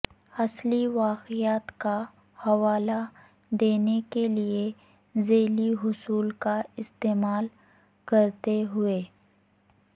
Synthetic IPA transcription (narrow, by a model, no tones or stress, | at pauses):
ɐsliʋaːqɪjaːt̪ka | hɐʋaːla | d̪eːnekelie | zeːliɦʊsuːlkaɪst̪eːmaːl | kɐɾt̪eɦʊeː